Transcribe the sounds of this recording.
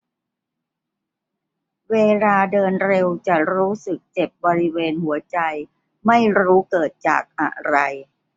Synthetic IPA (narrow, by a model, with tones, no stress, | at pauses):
weː˧laː˧dɤː˧nɾe˧wt͡ɕa˨˩ɾuː˦˥sɯ˨˩k̚t͡ɕe˨˩p̚bɔː˧ɾi˦˥weː˧nhu˨˩˦ɐt͡ɕa˧j | ma˥˩jɾuː˦˥kɤː˨˩t̪̚t͡ɕa̰ː˨˩k̚ʔa̰˨˩ɾa˧j